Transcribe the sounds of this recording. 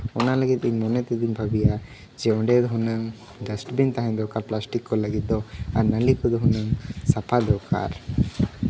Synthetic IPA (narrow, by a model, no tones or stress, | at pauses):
ɔnalɐɡit̪inmɔnet̪id̪inbʱɐbija | d͡ʒeɔɳɖed̪uɦunːɐŋ | ɖɐsʈbint̪aɦind̪ɔkaːɾplaːsʈikːɔlːaɡid̪ːoɐ̰nɐlikud̪uɦunːɐŋsɐpʰad̪ɔːka̰ːɾ